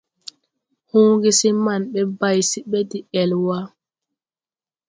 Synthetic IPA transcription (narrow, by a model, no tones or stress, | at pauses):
hoːŋɡisimanɓɛbajsiɓɛdiɛlwa